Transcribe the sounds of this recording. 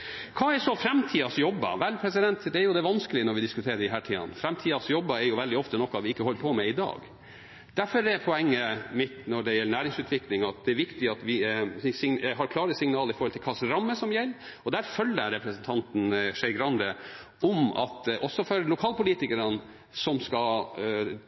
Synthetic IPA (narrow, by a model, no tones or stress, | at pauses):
kʰɑːɛʂɔfɾɛmt̪ʰiːɑsjɔbːɑ̰ʋælpʰɾɛsɪd̪ɛnt̪d̪ɛæɾjʊd̪ɛʋɑnskəlɪənɔɾʋɪd̪ɪskʉt̪ʰeːɾəɖɪɦæːʈʰiːɑ̰nfɾɛmt̪ʰiːɑsjɔbːɑɛɾjʊʋɛld̪ɪɔft̪ənɔkːɑʋɪɪkːəhɔlːəpʰɔmɛɪd̪ɑ̰ːɡ | d̪̥æɾfɔɾɛpʰɔɛŋːəmɪt̪nɔɖɛjɛlːəɳæːɾɪŋsʉːt̪ʰʋɪklɪŋɑt̪̚d̪ɛæɾʋɪkt̪ɪɑt̪ʋɪsɪŋɦɑɾkʰlɑːɾəsɪŋnɑːləɾɪfɔɾlt̪ɪlkʰɑsɾɑmːəsɔmjɛlː | ɔd̪æɾfœlːəɾɛpɾəsnt̪ʰɑnt̪n̩ʂɛɪɡɾɑnd̪ə | ɔmɑ̰t̪ʔɔsːɔfɔɾlʊkʰɑːlpʊliːt̪ɪkəɾən | sɔmskɑ